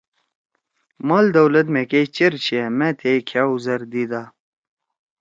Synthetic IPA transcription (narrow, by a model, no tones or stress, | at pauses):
maːld̪ɐwlɐt̪̬mẽket͡ɕeɾt͡ɕʰiemẽt̪ʰekʰjaːuzɐɾd̪id̪aː